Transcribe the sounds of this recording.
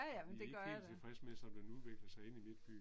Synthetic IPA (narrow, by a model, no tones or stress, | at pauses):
æjæmnd̥e̝ɡɶɐḁt͡sefɑɡ̥ismesɒ̽md̥enuðˠʋe̝ɡ̥lð̩ˠsɑ̈ɪe̝nimed̥b̥yɡ̥